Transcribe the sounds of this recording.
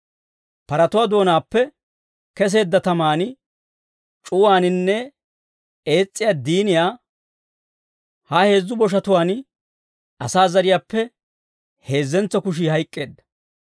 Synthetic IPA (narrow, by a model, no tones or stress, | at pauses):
pɐɾɐt̪ʊwaːd̪o̞ːnaːpːɛ | kɛs̬e̞ːd̪ːɐt̪ɐmaːnɪ | t͡ʃʼuːwaːnɪnːɛ | e̞ːt͡sʼːɪjaːd̪iːnɪjaː | hɐhe̞ːzːʊbɔʃ̬ɐt̪ʊwaːn | ʔɐsaːzɐɾɪjaːpːɛ | he̞ːzːɛnt͡sːɔkʊʃ̬iːhɐjkʼːe̞ːd̪ːɐ̥